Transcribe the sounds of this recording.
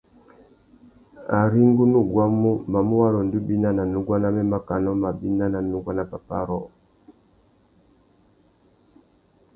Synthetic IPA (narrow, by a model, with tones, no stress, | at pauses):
a̰˨ɾi˦ŋɡu˦nu˦˨ɡwa˦mu˦ma˨mu˦wa˦lɔ˨ndi˦bi˦na˦na˨nu˨ɡwa˦na˦mɛ˦ma˦ka˨nɔ˦ma˨bi˦na˦na˨nu˨˦ɡwa˦na˨pa˨pa˦ɾɔ˦